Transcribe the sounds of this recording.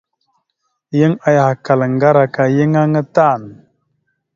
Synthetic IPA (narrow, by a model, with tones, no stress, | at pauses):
jə˦ŋa˨ja˨ha˨ka˨lŋ˨ɡa˦ɾa˨ka˨jə˦ŋa˦ŋə˦ta˦˨n˨